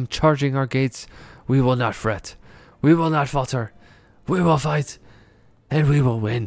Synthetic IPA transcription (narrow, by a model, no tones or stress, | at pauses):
mt͡ʃʰɑɹd͡ʒɪ̃ŋaʊə˞ɡeɪtswiwɪlˠnətfɹɛt | wiwɪlˠnətfɔlˠtə˞ | wiwɪlˠfaɪt | ɨ̃nwiwɪlˠwɪ̃n